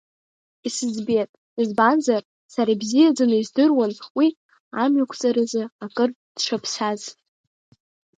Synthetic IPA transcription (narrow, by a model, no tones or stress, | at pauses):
isɨzbetʼ | izbanzar | saɾabzijad͡zanɨizdɨrwanwi | amɥakʷʰt͡sʼaɾazɨakʼɨr | d̥ʂʰapʰsaz